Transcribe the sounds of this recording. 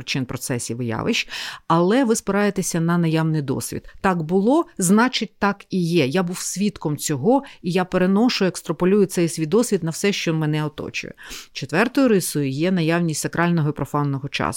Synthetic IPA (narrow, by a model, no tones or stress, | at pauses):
t͡ʃɪnpɾɔt̪sɛsʲiʋɪjɑ̰ʋɪ̰ʃɐlˠɛʋɪspɪɾɑjet̪esʲɐnɐnɐjɑwnɪjd̪ɔ̰sʲʋʲḭd̪̥t̪ɑkbʊlˠɔznɑt͡ʃɪt̚ʲt̪ɑkijɛjabuwsʲʋʲit̪kɔmt͡sʲɔɦɔijapeɾe̞nɔʃʊjekst̪ɾɔpɔlʲujʊt̪sɛjsʲʋʲid̪ɔsʲʋʲit̪nɐwsɛʃt͡ʃɔɔnmɛnɛɔt̪ɔ̰t͡ʃʊ̰jɛ̰t͡ʃet̪ʋɛrt̪ɔjʊɾɪsʊjʊjɛnɐjɑwnʲisʲtʲsɐkɾɑlʲnɔɦɔipɾɔfɑnːɔɦɔt͡ʃɑ̰s